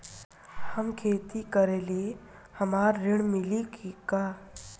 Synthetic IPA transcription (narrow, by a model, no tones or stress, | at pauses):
həmkʰeːt̪ikəɾelie | həmaːɾːɪɽ̃mɪlikka